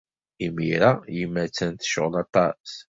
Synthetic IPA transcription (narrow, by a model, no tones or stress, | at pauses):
imiɾajəmːæt͡sːænt̪ʃoʁlɑt̪ˤɑs